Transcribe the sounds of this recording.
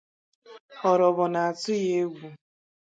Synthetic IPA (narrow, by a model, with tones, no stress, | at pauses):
ɔ˨ɾɔ˨βɔ˨na˨a˨tʊ˦je˦ɡʷu˨